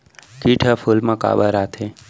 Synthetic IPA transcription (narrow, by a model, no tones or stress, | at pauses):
kiʈʰafʰulmãka̰bəɾat̪ʰe